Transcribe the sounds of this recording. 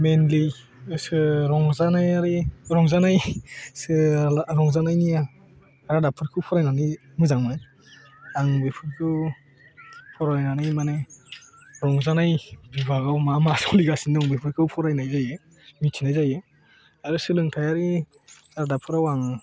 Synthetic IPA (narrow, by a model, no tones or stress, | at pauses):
menlij | sɯɾɔŋzanajaɾiɾɔŋzanajsɯɾɔŋzanajnija | ɾadapʰɯɾkʰɯwpʰɔɾajnanɯj | mɯzaŋmaj | aŋbepʰɯɾkʰɯw | pʰɔɾajnanajmane | ɾɔŋzanajbibaɡawmamasɔliɡasinɯŋbepʰɯɾkʰɯwpʰɔɾajnajzajɯ | mitʰinajzajɯ | aɾɯsɯlɯŋtʰajaɾi | ɾadapʰɯɾawaŋ